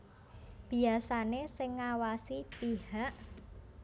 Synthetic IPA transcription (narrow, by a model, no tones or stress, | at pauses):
b̥i̤asanesɪŋːawasipihaʔ